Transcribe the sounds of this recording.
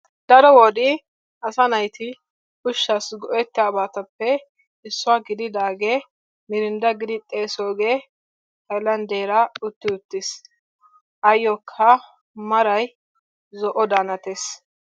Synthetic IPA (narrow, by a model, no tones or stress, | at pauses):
d̪ɐɾɔwɔd̪ɪ | ʔɐsɐnɐjt̪ʰɪ | kʊʃːɐsɡɔʔɛt̪ːɪaːbaːt̪ɐpːɛ | ɪsːʊaːɡɪd̪ɪd̪aːɡeː | mɪɾɪnd̪ɐɡɪd̪ɪt̪ʼːe̞ːsoːɡeː | hɐjlɐnd̪eːɾɐʊt̪ːɪʊt̪ːɪs | ʔɐjːɔkʰːɐ | mɐɾɐj | zɔʔɔd̪aːnɐt̪es